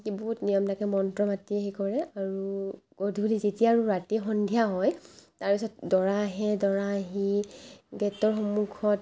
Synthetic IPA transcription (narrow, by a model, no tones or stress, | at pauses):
kibuutnijɔmtakɛmɔntɹɔmatieɦikɔɹɛaɹuɡ̥odʱulizetiaːɹuɹatixɔndʱijaɦɔjtaɹpisɔt̚dɔɹaːɦɛdɔɹaːɦi | ɡɛtɔɹxɔmukʰɔt